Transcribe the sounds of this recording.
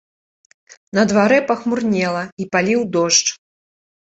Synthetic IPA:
nɐd̪vaɾɛpɐxmurnʲɛlˠɐipalʲiwd̪ɔʂt͡ʂ

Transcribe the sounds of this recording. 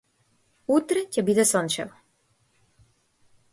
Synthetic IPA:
ut̪ɾɛcɛbid̪ɛsɔnt͡ʃɛ̰vɔ

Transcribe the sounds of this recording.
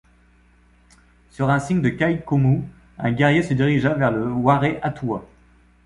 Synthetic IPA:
syʁɛ̃siɲd̪əkajkomu | ɛ̃ɡʲɛʁjesəd̪iʁiʒavɛʁləwaʁeʔat̪ua

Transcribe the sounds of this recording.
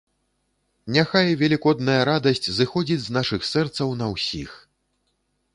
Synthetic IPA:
nʲaxajvʲalʲikɔd̪nɐjɐɾad̪ɐsʲt͡sʲzɨxɔd͡zʲid͡zʲznaʂɨxsɛrt̪sɐwnɐwsʲix

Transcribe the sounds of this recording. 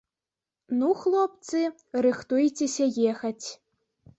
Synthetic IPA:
nuxlˠɔpt̪sɨ | rɨxt̪ujt͡sʲesʲɐjɛxɐt͡sʲ

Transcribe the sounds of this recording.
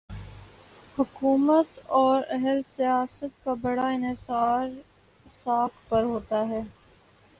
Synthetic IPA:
hʊkuːmət̪ɔːɾɛɦəɾsijaːsət̪̚kabɐɽaɪnɪsaːɾ | saːkpɐɾɦoːt̪aɦɛː

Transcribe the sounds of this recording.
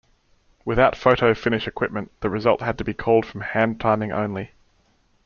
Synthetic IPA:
wɨðaʊtfəʊɾəʊfɪ̃ñɪʃɨkʰw̥ɪp̚mə̃nðəɹɨzʌlˠt̚həd̚təbikʰɔʊlˠd̥fɹə̃mhæ̃ntʰɑ̃ɪ̃mɪ̃ŋʔə̰̃ʊ̃nli

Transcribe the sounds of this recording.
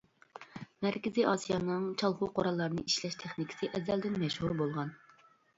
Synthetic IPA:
mæɾkʲɪzijʔɑsijɑnɨŋt͡ʃʰɑlˠχʊqʰoɾɑlˠːɑɾnɨʔiʃlɛʃt̪ʰeχnɪkʲʰɪ̥sɪʔɛzɛld̪ɪnmɛʃhuɾbolˠʁɑn

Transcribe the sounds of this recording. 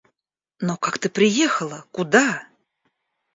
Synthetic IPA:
nokakt̪ɨpɾʲɪjexəlˠəkʊd̪a

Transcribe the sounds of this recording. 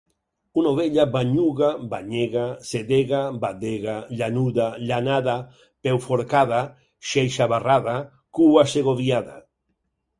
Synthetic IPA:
unoβeʎabaɲuɣabaɲeɣaseðeɣabad̪eɣaʎanuðaʎanaða | pɛwfoɾkaða | ʃejʃaβaraða | kuaseɣoβjaða̰

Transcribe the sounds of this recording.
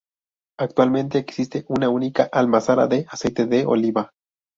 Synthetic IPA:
akt̪walmẽnt̪eːksist̪eʔunaunikaʔalmasaɾa̰ðeʔasejt̪eðeo̰liβa

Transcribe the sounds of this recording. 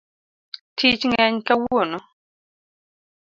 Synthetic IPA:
tʰit͡ʃŋɛɲkawonɔ

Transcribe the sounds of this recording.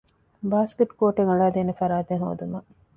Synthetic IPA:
baːskeʈkoːʈeŋuɭaːd̪eːnefɐɾaːt̪eŋɦo̰ːd̪umɐ

